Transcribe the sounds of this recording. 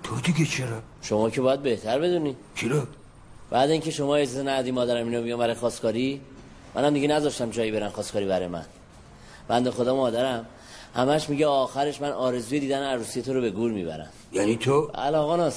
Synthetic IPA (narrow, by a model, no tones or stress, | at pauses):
t̪ʰod̪iɡet͡ʃʰeɾa | ʃo̞mɒːcʰe̞bɒːjæd̪̚be̞ht̪ʰæɾbe̞d̪uːni | t͡ʃʰiɾo | b̥æːd̪æiːŋcʰe̞ʃo̞mɒːe̞zizenæjd̪imɒːd̪æɾæmiːnobijɒmbæɾɒjexɒːskʰɒːɾi | mʔæ̰næmd̪iɡɟenæzɒʃt̪æmd͡ʒɒːjibe̞ɾænxɒːskʰɒːɾibæɾɒːjemæ̰n | b̥ænd̪e̞xo̞d̪ɒːmɒːd̪æɾæm | hæmæʃmiɟeɒːxæɾe̞ʃmænɒːɾe̞zuːje̞d̪iːd̪æneæɾuːsije̞t̪ʰoɾobe̞ɡuːɾmḭːbæ̰ɾæ̰m | jænit̪ʰoʔæ̰lɒːɣɑnɒs